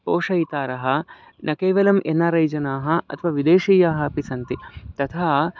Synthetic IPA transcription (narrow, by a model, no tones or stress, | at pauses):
oːʂɐjit̪aːɾɐɦɐ̆ | nʔɐkeːʋɐlɐmʔenːaːɾɐjd͡ʒɐnaːɦɐ̆ɐ̰t̪ʰɐʋaːʋid̪eːʂiːjaːɦɐɐpisɐnt̪it̪ɐt̪ʰaː